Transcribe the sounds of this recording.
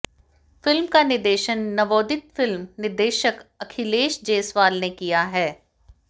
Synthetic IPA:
fɪlmkanɪɾd̪eːʃənːɐʋoːd̪ɪt̪̚fɪlmnɪɾd̪eːʃəkɐkʰɪleːʃd͡ʒeːsʋaːlnekijaɦɛː

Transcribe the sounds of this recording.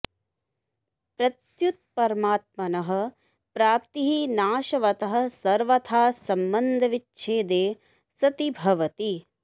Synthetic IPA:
pɾɐt̪jut̪̚pɐɾmaːt̪̚mɐnɐɦɐ̆ | pɾaːpt̪iɦinaːʃɐʋɐt̪ɐɦɐ̆sɐɾʋɐt̪ʰaːsɐmbɐnd̪ʱɐʋit͡ʃːʃʰeːd̪eː | sɐt̪ibʱɐʋɐt̪i

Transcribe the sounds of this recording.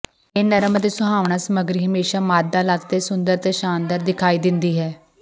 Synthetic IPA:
eːnəɾəmd̪eːsʊɦaːʋɳaːsəməɡɾiːɦəmeːʃaːmaːd̪aːlaːt̪t̪eːsʊnd̪əɾt̪eːʃaːnd̪əɾd̪ɪkʰaːiːd̪ɪnd̪iːɦɛː

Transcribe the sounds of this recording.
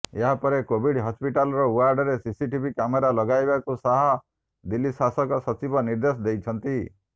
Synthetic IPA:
eɦapɔɾekobiɽɦɔspiʈalɔɾɔwaɾɖɔɾesisiʈibʱikameɾalɔɡajbakusaɦɔ | d̪ilːisasɔkɔsɔt͡ʃibɔniɾd̪esɔd̪ejt͡ʃʰɔnt̪i

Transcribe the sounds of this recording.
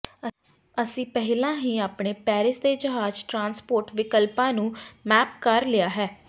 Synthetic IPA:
əsĩːpɛɦɪlãːɦĩːaːpɳeːpɛːɾɪsd̪eːd͡ʒəɦaːd͡ʒʈɾãːnspoːɾʈʋɪkəlpãːnũːmɛːp̚kəɾlɪjaːɦɛː

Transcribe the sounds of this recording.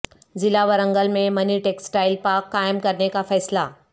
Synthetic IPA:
d͡zilaʋəɾəŋɡəlmeməniʈeksʈajlpakːajmkəɾɳekafɛjsla

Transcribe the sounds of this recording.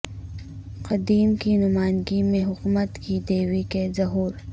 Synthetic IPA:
qɐd̪iːmkinʊmaːnɡimẽɦʊkmət̪kid̪eːwikezɐɦuːɾ

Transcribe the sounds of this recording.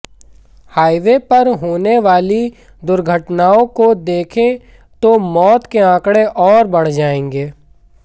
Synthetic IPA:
haːɪʋepɐɾɦoːneʋaːli | d̪ʊɾɡʱəʈnaːõkod̪eːkʰẽ | t̪omɔːt̪keãːkɽeʔɔːɾbɐɽ̤d͡ʒaːẽːŋɡeː

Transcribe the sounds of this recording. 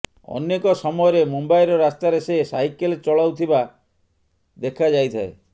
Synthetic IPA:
ɔ̰nːekɔsɔmɔjɔɾemombajɾɔɾast̪aɾesesajkelt͡ʃɔɭawt̪ʰiba | d̪ekʰad͡ʒajt̪ʰae

